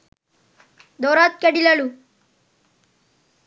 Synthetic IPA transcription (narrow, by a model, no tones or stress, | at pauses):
d̪oːɾat̪̚kɐɽilɐɭu